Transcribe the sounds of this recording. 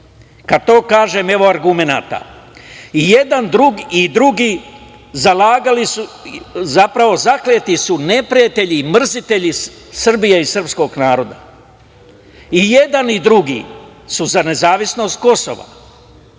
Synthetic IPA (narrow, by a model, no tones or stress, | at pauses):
kad̪̚t̪o̞ːkaːʒe̞ːme̞ʋo̞aɾɡume̞na̰ːt̪a̰ | ije̞d̪and̪ɾuɡid̪ɾuɡiː | zalaːɡalisuzapɾaʋo̞zakleːt̪isune̞pɾijat̪e̞ʎimr̩zit̪e̞ʎi | sr̩bijeisr̩psko̞ɡnaːɾo̞d̪a̰ | ije̞d̪anid̪ɾuɡḭːsuzane̞zaːʋisno̞st̪̚ko̞so̞̰ʋa̰